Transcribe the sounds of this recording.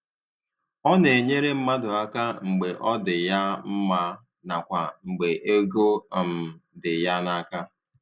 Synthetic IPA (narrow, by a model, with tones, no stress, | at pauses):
ɔ˦ne˨ɲe˦ɾe˦m̩˦ma˦dʊ˨a˦ka˦ŋ͡m̩˨ɡ͡be˨ʔɔ˦dɪ˨ja˦m̩˦ma˦ | na˨kʷa˨ŋ͡m̩˨ɡ͡be˨ʔe˦ɡo˦˨m̩˨dɪ˨ja˦na˦ka˦